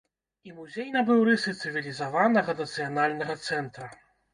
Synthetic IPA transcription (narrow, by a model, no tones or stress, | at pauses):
imuzʲejnɐbɨwɾɨsɨt̪sɨvʲilʲizavanɐɣɐnɐt̪sɨjanalʲnɐɣɐt̪sɛnt̪ɾɐ